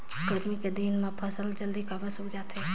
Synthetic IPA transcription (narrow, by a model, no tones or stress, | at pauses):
kəɾmiked̪iːnmãpʰəsəld͡ʒəld̪ikabəsʊd͡ʒaːt̪ʰɦe